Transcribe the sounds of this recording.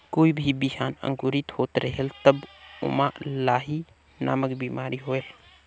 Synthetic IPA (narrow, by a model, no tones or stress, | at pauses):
koːibʱibiɦanə̰̃ŋɡuɾit̪ɦot̪ɾəɦelt̪əbʊ̰malaːɦi | na̰ːməkbimaɾiɦoel